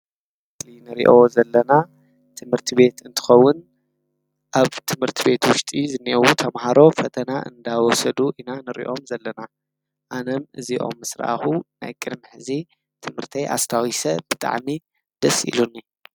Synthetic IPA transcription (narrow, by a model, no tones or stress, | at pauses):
ɨt̪ʰinɨɾḭʔo̞zɐlːɐna | t̪ʰɨmhɨɾt̪ʰiβe̞t̪ɨnt̪ʰɨ̥xɐwːʊn | ʔaβt̪ʰɨmhɨɾt̪ʰibe̞t̪wʊʃt̪ʼizɨniʔɐwut̪ʰɐmhaɾo̞fɐt̪ʰɐnaʔɨ̰nd̪awɔsɐd̪uʔinanɨɾḭʔo̞mzɐlːɐna | ʔanɐmʔɨziʔo̞̰mːɨsɾa̰a̰xuna̰jkʼɨd̪miħɨzi | t̪ʰɨmhɨɾt̪ʰɐjʔa̰st̪ʰawisɐb̥ɨt̪ʼa̰ʕmi | d̪̥ɐsʔḭlunːi